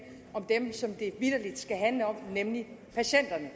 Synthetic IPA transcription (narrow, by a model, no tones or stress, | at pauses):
ɒ̽md̥emsɒ̽md̥e̝ʋið̥ɐlid̥sɡ̥æɦænləɒ̽m̰nemlipʰæɕen̰d̥ɐnə